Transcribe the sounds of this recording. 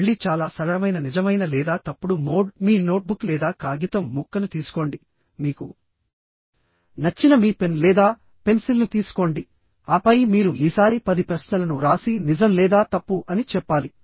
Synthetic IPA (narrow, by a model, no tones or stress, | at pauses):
ɭːit͡ʃaːlaːsɐɾɐmɐjnɐnid͡ʒɐmɐjnɐlɛːd̪aːt̪ɐpːuɽumoːmiːnoːʈ̚bukːlɛːd̪aːkaːɡit̪ɐmːukːɐnut̪iːsu̥ko̞ːɳɖi | miːku | nɐt͡ʃːinɐmiːpe̞nlɛːd̪aː | pe̞nsilnut̪iːsu̥ko̞ɳɖi | aːpɐjmiːɾuʔiːsaːɾipɐd̪ipɾɐʃnɐlɐnuɾaːsinid͡ʒɐmlɛːd̪aːt̪ɐpːuʔɐnit͡ʃɛpːaːli